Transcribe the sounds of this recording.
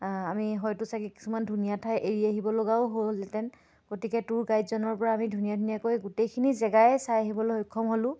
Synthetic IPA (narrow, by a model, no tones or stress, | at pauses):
amiɦɔjtʊsakiki̥sumandʱunijatʰajʔeɹiaɦibɔloɡaʊɦolɛtɛn | ɡ̥otikɛtʊɹɡajdzɔnɔɹpɔɹaːmidʱunijadʱunijakojɡutejkʰinizɛɡajɛsajaɦibɔlohojkʰːɔmɦolʊ̃